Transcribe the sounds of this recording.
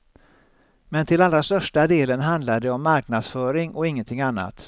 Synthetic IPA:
mɛnt̪ʰɪlalːɾast̪œʂʈad̪eːlənɦand̪lad̪ɛɔmːaɾknad̪sfœːɾɪŋʔɔɪŋːənt̪ʰɪŋːanːa̰t̪

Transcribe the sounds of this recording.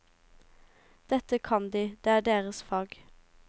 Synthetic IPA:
d̪̥ɛt̪əkʰɑnd̪iːd̪̥eːæːɖeːʁəsfɑːɡ

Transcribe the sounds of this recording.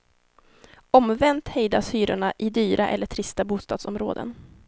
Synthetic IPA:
ɔmvɛnt̪hɛjd̪asyːɾʊɳaʔɪd̪yːɾʔaʔɛlːəʈʰɾɪst̪abuːst̪ɑːd̪sɔmɾo̰ːd̪ə̰n

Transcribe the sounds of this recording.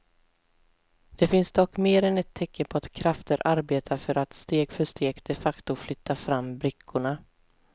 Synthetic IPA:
d̪̥ɛfɪnsd̪ɔkːmeːɾɛnɛt̪ʰːɛkːəpʰɔat̪kʰɾaft̪əɾʔaɾbeːt̪ʰafœɾat̪st̪eːɡfœʂt̪eːɡd̪̥ɛfakt̪ʊflʏt̪ːafɾamːbɾɪkʰːʊɳa

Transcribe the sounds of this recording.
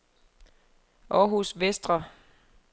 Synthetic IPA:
ʔɒːɦusʋesd̥ʁɐ

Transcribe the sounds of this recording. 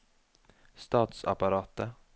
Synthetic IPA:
st̪ɑːt̪sa̰paɾɑːt̪ə

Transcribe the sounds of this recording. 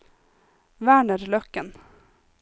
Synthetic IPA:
væːɳəɾlœkːən

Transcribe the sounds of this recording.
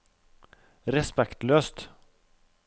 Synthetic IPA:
ɾɛspɛkt̪løːst̪

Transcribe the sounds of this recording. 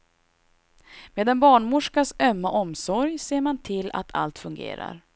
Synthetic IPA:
meːd̪ɛnbɑːɳmʊʂkasœmːaʔɔmsɔɾjseːɾmant̪ʰɪlːa̰t̪ʰa̰lt̪fɵŋɡḛːɾa̰ɾ

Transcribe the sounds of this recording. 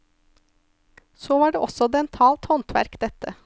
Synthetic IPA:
soːʋɑːɖeːʔɔsɔd̪ɛnt̪ʰɑːlt̪hɔnt̪ʰʋæ̰ɾkd̪ɛt̪ə

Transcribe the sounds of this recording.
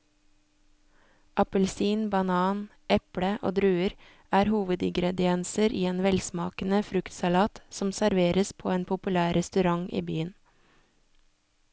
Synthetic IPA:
ʔɑpəlsiːnbɑnɑːn | ʔɛpɽəʔo̰ːd̪ɾʉːəɾ | æːɾhuːʋəd̪ɪ̰ŋɡɾɛd̪ɪɛnsəɾʔiːeːnʋɛlsmɑ̰ːkən̩əfɾʉkt̪sɑlɑːt̪sɔmsæɾʋeːɾəspʰo̰ːeːnpʰʊpʉlæːɾɛst̪ʉɾɑŋʔḭːbyːən

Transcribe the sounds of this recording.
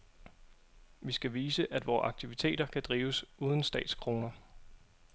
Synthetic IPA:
ʋisɡ̥æʋiːsəʔæd̥ʋɒːʔɑ̈ɡ̥̚t͡sʰiʋit͡sʰe̝̰ːɾ̥ɐkʰæd̥ʁiːʊsuːð̞ˠən̩sd̥ɛ̰ːd̥skʰʁo̝ːnɐ

